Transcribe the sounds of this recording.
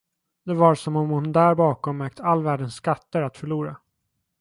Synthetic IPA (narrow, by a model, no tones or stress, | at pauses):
d̪ɛvaɾsɔmɔmhʊnd̪æːɾbɑːkɔmːœɾk̚t̪ʰəalːvæːɖənsːkat̪ːəɾat̪fœɭuːɾa